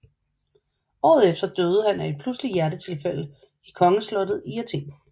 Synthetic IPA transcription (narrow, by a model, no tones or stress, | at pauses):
ɒ̰ːð̞̩ˠefd̥ɐd̥øːð̞̩ˠəhænæe̝d̥̚pʰluslijæɐɾət͡sʰe̝lfel̰ə | ikʰɒ̽ŋəslɒ̽d̥ð̩ˠiæt͡sʰe̝̰ːn